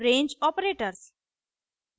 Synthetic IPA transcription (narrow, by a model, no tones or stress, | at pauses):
ɾẽːɲd͡ʒɔːpɾeːʈəɾs